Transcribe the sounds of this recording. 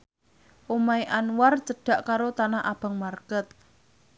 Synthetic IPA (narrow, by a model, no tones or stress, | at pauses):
omaiʔanwart͡ʃəɖ̥a̤ʔkaɾot̪anahab̥a̤ŋmarɡ̥ət̪̚